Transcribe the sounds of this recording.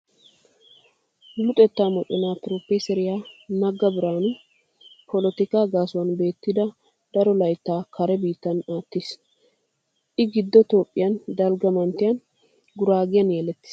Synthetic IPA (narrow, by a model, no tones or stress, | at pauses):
lʊt̪ʼɛt̪ːaːmɔt̪ʼɛnaːt̪ɾoːpːɛsɛɾɪjaːnɐɡːɐbɪɾaːnʊ | pʰɔlɔt̪ɪkaːɡaːsʊwɐnbe̞ːt̪ːɪd̪ɐ | d̪̥ɐɾɔlɐjt̪ːaːkɐɾɛbiːt̪ːɐnaːt̪ːis | ʔɪɡɪd̪ːɔt̪oːpʼːɪjɐnd̪ɐlɡɐmɐnt̪ːɪjɐn | ɡʊɾaːɡɪjɐnjɛlɛt̪ːɪ̥s